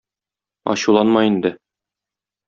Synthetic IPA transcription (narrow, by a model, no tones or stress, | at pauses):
ɒ̰ɕulˠɑnmɑjind̪ɘ